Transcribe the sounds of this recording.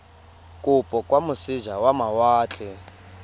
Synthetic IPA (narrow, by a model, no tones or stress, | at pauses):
kʼupʼɔkʼwamusiʒawamawaːt͡ɬʰʼɛ